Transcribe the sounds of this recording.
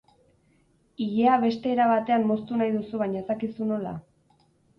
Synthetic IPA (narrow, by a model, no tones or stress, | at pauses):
iʎeaβe̞st̪e̞ːɾaβat̪e̞anmo̞st̪unajðusuβaɲae̞sakisuno̞la̰